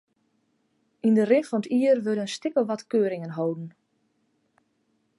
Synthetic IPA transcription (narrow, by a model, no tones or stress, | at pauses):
indərɪfɔnətiːərʋødənstɪkəlˠʋɔtkøːəɾɪŋənɦowdən̩